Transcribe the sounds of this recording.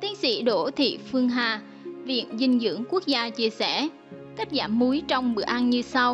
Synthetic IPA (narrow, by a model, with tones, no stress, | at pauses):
t̪i˨˦ənsḭ˧˥ɗo˧˩t̪ʰḭ˧˨fɨ˧əŋɦaː˨˩ | vḭ˧˨ənzï˧˩ŋ̟zɨ̰˧˥əŋku˦˥ək̚zaː˧t͡ɕi˧əsɛ˧˩ | k̪aː˦˥t̚zaː˧˩mmu˨˦jt͡ɕɔ˧wŋ͡mɓɨ̰˧˩əʔa˧nɲɨ˧sa˧w